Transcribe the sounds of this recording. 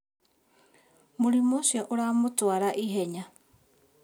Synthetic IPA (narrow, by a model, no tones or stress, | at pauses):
muɾimosioʔoɾamotuaɾaʔiɦeɲa